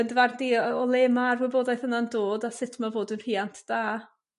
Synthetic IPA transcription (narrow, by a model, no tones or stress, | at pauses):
əndəvardiɔlˠeːmarwɪboːdajθənandoːdasɪtʰmavoːdənr̥iːantʰd̥aː